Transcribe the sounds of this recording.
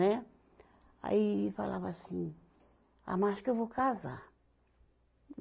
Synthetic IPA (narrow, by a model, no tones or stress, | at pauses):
ɛ | a̰ifalavɐsĩ | a̰maaʃkewvokaza̰